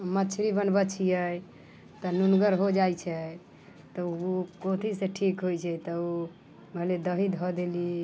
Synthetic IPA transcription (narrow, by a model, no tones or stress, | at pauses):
mət͡ʃʰɾibənbət͡ʃʰijɛ | t̪ɔnunɡəɾɦod͡ʒajt͡ʃʰɛ | t̪ɔukot̪ʰiseʈʰikɦojt͡ʃʰɛt̪ɔu | məɦled̪əɦid̪ɦɔd̪eli